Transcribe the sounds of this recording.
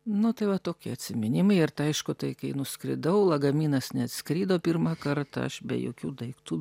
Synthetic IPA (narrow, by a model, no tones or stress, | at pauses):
nʊt̪ɐɪʋɐt̪oːkʲɪɐt̪ʲsʲɪmʲɪnʲɪmɐɪɪrt̪ɐɐɪʃkʊt̪ɐɪkɐɪnʊsʲkɾʲɪ̰d̪ɐʊlˠɐɡɐmʲiːnɐsnʲɛɐt̪sʲkɾʲiːd̪oːpʲirmɑkɐɾt̪ɐ̰ɐ̰ʃbʲɛ̰jo̰ːkʲuːd̪ɐɪkt̪uː